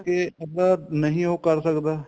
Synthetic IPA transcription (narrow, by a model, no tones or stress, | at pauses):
keəd̪ənəɦĩːɦoːkəɾsəkd̪aː